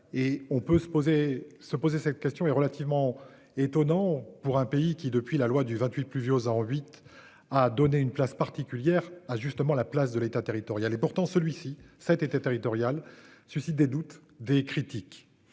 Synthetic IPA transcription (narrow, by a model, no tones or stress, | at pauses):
eɔ̃pøsə̥pozesəpozesɛt̪kʲɛst̪jɔ̃ɛʁəlat̪ivmɑ̃ | et̪ɔnɑ̃puʁɛ̃peikʲid̪əpɥilalwad̪yvɛ̃t̪ɥit̪̚plyvjozɑ̃ɥit̪ | ad̪ɔneynplaspaʁt̪ikʲyljɛʁaʒyst̪əmɑ̃laplas̬d̪əlet̪at̪eʁit̪ɔʁjalepuʁt̪ɑ̃səlɥisisɛt̪et̪at̪eʁit̪ɔʁjalsɥysit̪̚d̪ed̪ut̪ | d̪ekχit̪ik